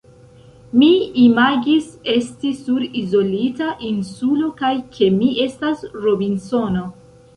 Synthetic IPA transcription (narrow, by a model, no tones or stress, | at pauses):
miimaɡise̞stisuɾizo̞litaʔinsulo̞kajkʰe̞miʔe̞stasɾobinso̞no